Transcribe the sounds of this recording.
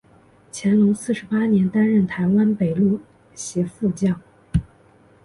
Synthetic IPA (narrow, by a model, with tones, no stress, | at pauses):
t͡ɕʰjɛ˧˥nlʊ˧˥ŋsɹ̩˥˩ʂɻ̩˧˥pa˥njɛ˧˥nt̪a˥nɻə˥˩nt̪ʰa˧˥ɪwa˥npe˨˩ɪlu˥˩ | ɕjɛ˧˥fu˥˧t͡ɕjɑ˥˩ʊ